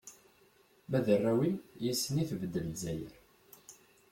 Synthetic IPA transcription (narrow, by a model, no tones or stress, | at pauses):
mæðərˤːæwinjisːəniθvəd̪ːəlzæjə̰ɾ